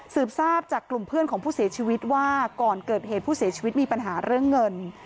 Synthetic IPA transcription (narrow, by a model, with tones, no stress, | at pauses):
sɯː˨˩p̚saː˥˩p̚t͡ɕaː˨˩kːlu˨˩mpʰɯ˥˩ənkɔː˩˦ŋpʰuː˥˩si˨˩˦t͡ɕʰiː˧wi˦˥t̪̚waː˥˩kɔː˨˩nkɤː˨˩t̪̚heː˨˩t̪̚pʰuː˥˩si˨˩˦t͡ɕʰi˧wi˦˥t̪̚miː˧pa˧nɦaː˩˦ɾɯ˥˩əŋːɤ˧n